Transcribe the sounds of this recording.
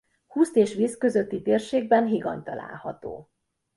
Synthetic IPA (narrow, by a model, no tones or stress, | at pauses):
huːst̪eːʃʋiːskø̞zø̞t̪ːit̪eːrʃeːɡ̚bɛnɦiɡɒ̰nt̪ɒla̰ːlhɒt̪o̰ː